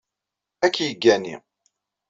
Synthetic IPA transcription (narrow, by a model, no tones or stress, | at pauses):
ækːjəɡːænḭ